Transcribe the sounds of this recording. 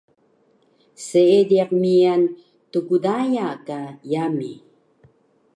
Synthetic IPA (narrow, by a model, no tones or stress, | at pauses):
seediaq̚mian | tukudajakajami